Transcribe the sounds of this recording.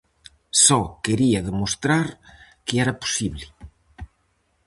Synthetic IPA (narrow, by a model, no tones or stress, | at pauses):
sɔkeɾiaðemost̪ɾaɾ | keɛɾapo̥siβlɪ